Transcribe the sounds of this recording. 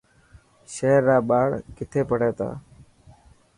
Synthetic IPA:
ʃeːɾːaːɓaːɽkɪt̪ʰeːpəɽeːt̪a̰ː

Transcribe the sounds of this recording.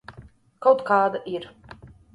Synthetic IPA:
kawt̪kɑːd̪aʔiɾ

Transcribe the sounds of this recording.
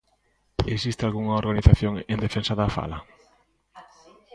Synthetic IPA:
esist̪ɪalɣuŋɐoɾɣaniθaθjoŋend̪efensaðafa̰lɐ

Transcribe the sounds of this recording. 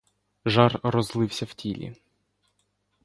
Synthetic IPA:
ʒɑrrɔzlˠɪwsʲɐw̥tʲilʲḭ

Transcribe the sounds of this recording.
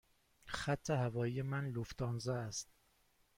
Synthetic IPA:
xæt̪ʰːehævɒːjijemænloft̪ʰɒːnzææst̪̚

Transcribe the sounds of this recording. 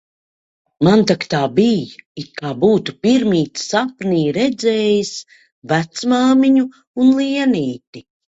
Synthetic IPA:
mant̪akt̪aːbijikaːbuːt̪upiɾmiːt̪sapniːɾɛd̪zɛːjis | væt̪smaːmiɲu | unlˠiɛniːt̪i

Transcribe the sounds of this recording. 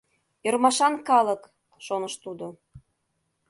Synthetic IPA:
ərmɑʃɑnkɑlək | ʃonəʃt̪ud̪o

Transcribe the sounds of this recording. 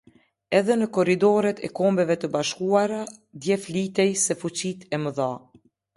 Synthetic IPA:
ɛðɛnəkɔɾid̪ɔɾɛt̪ɛ̰kɔmbɛvɛt̪əbaʃkuaɾad̪jɛflit̪ɛjsɛfut͡ɕit̪ʰɛməða

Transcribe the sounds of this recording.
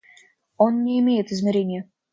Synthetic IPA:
onnʲɪɪmʲejɪt̪ɨzmʲɪɾʲenʲɪjə

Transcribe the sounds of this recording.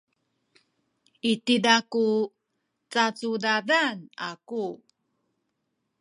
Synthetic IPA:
itidaku | t͡sat͡sudadana̰ku

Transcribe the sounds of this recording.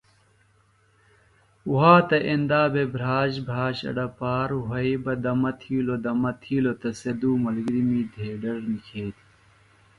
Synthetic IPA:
uɦaːt̪ɐʔend̪aːbebʱɾaːʑbʱɾaːɕɐ̰ɖɐpaːɾɦɐibɐd̪ɐmɐt̪ʰiːlod̪ɐmɐt̪ʰiːlot̪ɐsed̪uːmɐlɡɾimiːd̪ʱeːɖɐɾnikʰeːt̪i̥

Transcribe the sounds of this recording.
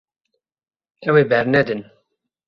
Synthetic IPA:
ɛweːbɛɾnɛd̪ɨn

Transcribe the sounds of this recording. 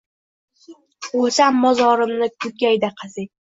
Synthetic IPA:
osamːɒzɒɾɪmnɪkʰʊɡʲajd̪aqʰɨzɪ

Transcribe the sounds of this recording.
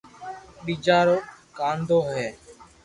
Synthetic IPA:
ɗiːd͡ʒaːɾoːkaːnd̪oːɦɛː

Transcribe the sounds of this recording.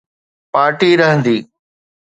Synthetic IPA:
paːɾʈiːɾɐɦə̃nd̪iː

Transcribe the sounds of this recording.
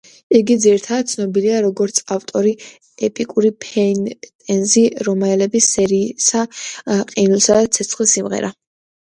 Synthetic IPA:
iɡid̪ziɾit̪ʰad̪d̪̚t̪sʰnɔbiliaɾɔɡɔɾt̪sʰaft̪ʼɔɾi | ɛpʼikʼuɾipʰɛnt̪ʼɛnziɾɔmaɛlɛbisɛɾisaqʼinulˠsad̪at̪sʰɛt̪sʰχlisimʁɛ̰ɾa

